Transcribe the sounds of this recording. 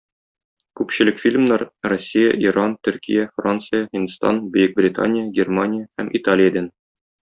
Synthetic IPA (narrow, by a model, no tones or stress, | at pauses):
kʉpɕɘ̆lɘkfʲilʲmnɑɾrosʲːijə̰ʔiɾɑnt̪ɵ̆ɾkʲḭjæfrant̪sɨjahʲinst̪ɑ̰nbɘ̆jɘk̚brʲɪt̪a̰nʲɪjəɡʲermanʲɪjəhæmʔit̪alʲɪjəd̪æn